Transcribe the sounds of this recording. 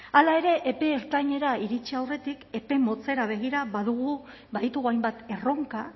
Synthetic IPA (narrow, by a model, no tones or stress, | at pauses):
alae̞ɾe̞ʔːpe̞ːɾt̪aɲe̞ɾaiɾit͡ʃiawre̞t̪ike̞pe̞mo̞t͡se̞ɾaβ̞e̞ɣ̞iɾaβaðuɣ̞u | baðit̪uɣuajmbat̪e̞ro̞ŋka